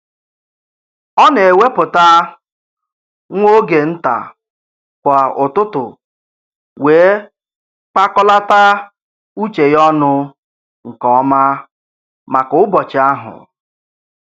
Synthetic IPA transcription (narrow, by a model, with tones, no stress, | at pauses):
ɔ˦ne˨we˦pʊ˨ta˦ | ŋʷo˦ɡe˨n̩˦ta̰˨ | kʷa˨ʊ˨tʊ˦tʊ̰˨ | weː˨˦ | k͡pa˦kɔ˦la˦ta˦ | u˦t͡ʃe˨jɔ˦nʊ˦ | ŋ̩˨kɔ˦ma˦ | ma˨kʊ˨ʊ˦bɔ˨t͡ʃɪ˨a˦ɦʊ̰˨